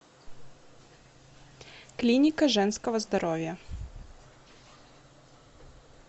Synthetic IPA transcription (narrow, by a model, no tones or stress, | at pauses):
klʲinʲɪkɐʐɛnskɔvɐzd̪ɐɾɔvʲjɐ